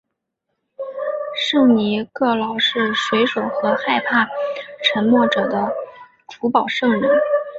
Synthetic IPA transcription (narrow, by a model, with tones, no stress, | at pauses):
ʂɤ˥˩ŋni˧˥kɤ˥˩lɑ˧˩ʊʂɻ̩˥˩ʂwe˧˥ɪʂwo˨˩ʊxɤ˧˥xa˥˧ɪpʰa˥˩ʈ͡ʂʰə˧˥nmwɔ˥˩ʈ͡ʂɤ˨˩d̪ə˦ | ʈ͡ʂʰu˧˥pɑ˨˩ʊʂɤ˥˧ŋli˧˥